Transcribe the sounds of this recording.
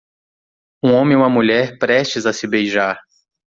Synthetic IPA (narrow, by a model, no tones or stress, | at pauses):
ũõmẽũmɐmuʎɛɾpɾɛʃt͡ʃɪzɐsɪbejʒaɾ